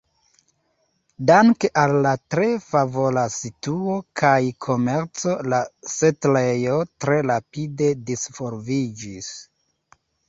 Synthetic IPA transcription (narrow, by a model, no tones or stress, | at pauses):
daŋkeʔalːatɾe̞favolasituo̞kʰajkʰo̞me̞ɾt͡so̞lasetlejo̞tɾe̞ɾapide̞disfo̞ɾvid͡ʒis